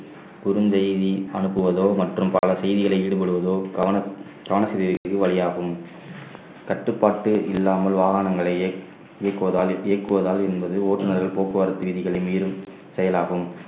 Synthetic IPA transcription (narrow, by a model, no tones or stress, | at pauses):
pʊɾɯnsɛjðiɐnɯpːɯʋɐðoːmɐʈrɯmpɐ̰lɐsɛjðɪɣɐɭɐɪɪɽɯpɐɽɯʋɐðoːɐ | kɐʋɐnɐsɐɪðɪɾɣɐɯkːɯʋɐɭɪjaːɣɯm | kɐʈːɯpːaːʈːɯʔɪlːaːmɐlʋaːɣaːnɐŋɡɐɭɐɪ | ɪɐkːɯʋɐðaːlejɐkːɯʋɐðaːlɛnbɐðɯoːʈːɯnɐɾɐlpoːkːɯʋɐɾɐt̪ːɯʋɪðɪɣɐɭɐɪmiːɾɯm | sɛjɐlaːɣɯm